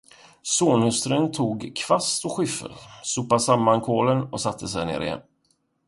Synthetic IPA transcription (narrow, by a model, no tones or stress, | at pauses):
soːnhɵst̪ɾənt̪ʰuːɡkʰvast̪ɔɧʏfə̰ɾsʊpːasamːankʰoːlənɔsat̪ʰːəsɛjnḛːɾɪ̰jɛ̰nː